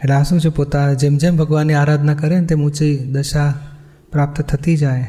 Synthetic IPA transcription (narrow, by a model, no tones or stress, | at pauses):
eʈasũt͡ʃʰepot̪ad͡ʒemd͡ʒembʱəɡʋanːiaːɾad̪ʱnakəɾent̪emũt͡ʃid̪əʃa | pɾap̚t̪t̪ʰət̪id͡ʒaj